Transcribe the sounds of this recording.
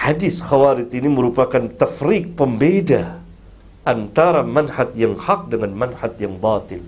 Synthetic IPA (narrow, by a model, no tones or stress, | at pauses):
ħadɪθxawaɾɪt̪̚iniməɾupakant̪afɾik̚pəmbeda | ʔant̪aɾamanhat̪̚jaŋhaq̚dəŋanmanhat̪̚jaŋbat̪ɪl